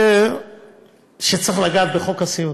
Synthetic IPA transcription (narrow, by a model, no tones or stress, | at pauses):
e | ʃet͡sʁiχlaɡaːt̪̚beχo̞kasiju